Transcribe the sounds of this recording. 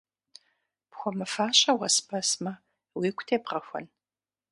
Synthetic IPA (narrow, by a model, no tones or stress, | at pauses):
pxʷɔmɨfaːɕɐwɐspʰɐsmɐ | wiːkʷʰʼtʰeːpʁɐxʷɔ̰n